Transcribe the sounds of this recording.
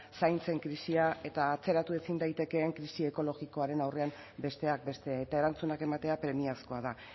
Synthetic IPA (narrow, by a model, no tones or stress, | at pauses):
sajnt͡se̞ŋkɾisiae̞t̪aːt͡se̞ɾat̪ue̞sind̪ajt̪e̞ke̞ːŋkɾisie̞ko̞lo̞ɣiko̞aɾe̞nawre̞am | be̞st̪e̞ak̚be̞st̪e̞ae̞t̪ae̞ɾant͡sunake̞mat̪e̞apɾe̞miasko̞aða